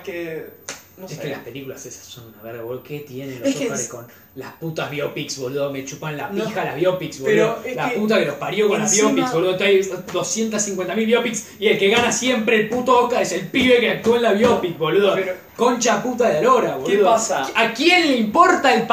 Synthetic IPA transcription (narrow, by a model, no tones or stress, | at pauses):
ke | neskelaspe̞likulasesḁsːonunaβeɾɣaoket̪jenennloskɾekon | la̰hput̪azβjopiksβoleðomet͡ʃupanlapxala̰βjopiksβoeolaput̪̬akelohpaɾjokonlaβjopiksβoluðot̪ajd̪o̞sje̞nt̪asːiŋkwent̪amilβjopiks | ielke̞ɣanasje̞mpɾeːlput̪ookaɾese̞lpiβekeak̚t̪uoenlaβjopik̚βolweðo | ko̞nt͡ʃaput̪aðeaɾoɾaβolðsakje̞nleimpoɾt̪aelp